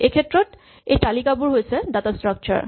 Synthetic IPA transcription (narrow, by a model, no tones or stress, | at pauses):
ekʰet̪ːɾot̪ | et̪alikapuɾɦojet͡ɕʰed̪at̪asʈɾak̚t͡ɕa̰ɾ